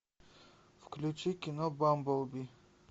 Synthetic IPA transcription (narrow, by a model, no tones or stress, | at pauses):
fklʲʊt͡ɕikʲɪnobambɔlˠbʲi